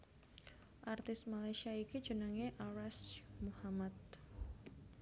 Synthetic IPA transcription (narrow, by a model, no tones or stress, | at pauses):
ʔart̪ɪst̪̚malajsiaiki̥d͡ʒ̥ənaŋeʔaɾasmuhamat̪̚